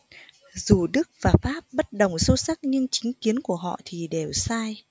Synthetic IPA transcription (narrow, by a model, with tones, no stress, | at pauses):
zu˨˩ɗɨ˦˥k̚vaː˨˩faː˦˥p̚ɓə˦˥t̚ɗə˨˩wŋ͡mso˧sa˦˥k̚ɲɨ˧ŋt͡ɕï˨˦ŋ̟ki˨˦ənku˧˩əɦɔ̰˧˨t̪ʰi˨˩ɗe˨˩wsaː˧j